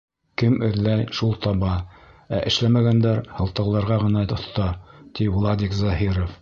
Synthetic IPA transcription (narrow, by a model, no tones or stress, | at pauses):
kɘmɘ̆ðlæjʃulˠt̪ɑβɑæʔɘ̆ʃlæmæɡænd̪æɾhɤ̆lˠt̪ɤ̆wlˠɑɾʁɑʁɤ̆nɑt̪ŏθt̪ɑt̪ivlˠɑd̪ikzɑɦiɾof